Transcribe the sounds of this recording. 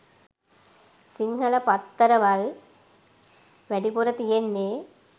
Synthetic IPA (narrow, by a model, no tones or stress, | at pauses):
siŋɡɐlɐpɐt̪ːɐɾɐʋɐl | ʋɛɖipuɾɐt̪ijenːeː